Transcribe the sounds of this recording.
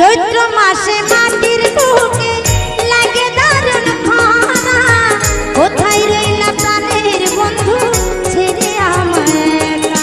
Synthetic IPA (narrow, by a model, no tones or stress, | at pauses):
d͡ʒojt̪ɾɔmasemand̪iɾbuɦkelaɡed̪aɾjɔnpʰɔɦna | ot̪ʰajɾeilapɾaneɾbɔnd̪ʱu | t͡ʃʰeɾeamae